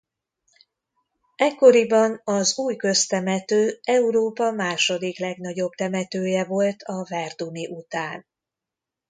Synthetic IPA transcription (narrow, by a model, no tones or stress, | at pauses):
ɛkːo̞ɾibɒnɒzuːjkø̞st̪ɛmɛt̪øːɛuɾoːpɒmaːʃo̞d̪iklɛɡnɒɟo̞bt̪ɛmɛt̪øːjɛvo̞lt̪ʰɒvɛrd̪uniʔut̪aːn